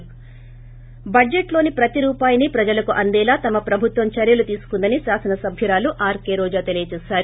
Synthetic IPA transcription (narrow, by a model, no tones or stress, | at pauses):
bɐeʈlo̞ːnipɾɐt̪iɾuːpaːjɐnipɾɐd͡ʒɐlɐkuʔɐnd̪ɛːlaːt̪ɐmɐpɾɐbʱut̪ʋɐmt͡ʃɐɾjɐlut̪iːsu̥kund̪ɐniʃaːsɐnɐsɐbʱjɐɾaːluʔaːɾkeːɾɔːd͡ʒaːt̪elijɐt͡ʃɛːsaːɾu